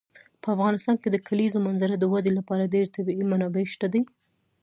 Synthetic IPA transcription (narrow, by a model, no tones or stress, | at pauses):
pəafɣɑnɪst̪ɑnked̪əkʰalizomanzaɾad̪əwad̪elapɑɾaɖeɾt̪abiimanɑbeʃt̪ad̪aj